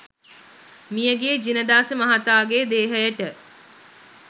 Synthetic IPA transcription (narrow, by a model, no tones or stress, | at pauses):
mijəɡeːd͡ʒinəd̪aːsəmɐɦat̪aːɡeːd̪eːɦəjəʈə